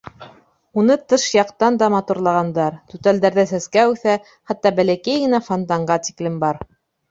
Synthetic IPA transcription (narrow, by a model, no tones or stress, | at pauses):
unɤt̪ɤʃjɑqt̪ɑnd̪ɑmɑt̪uɾlˠɑʁɑnd̪ɑɾt̪ʉt̪æld̪æɾðæsæskæʉθæ | χɑt̪ːɑbælækæjɡɘ̆næfont̪ɑɴɢɑt̪i̥klɘmbɑɾ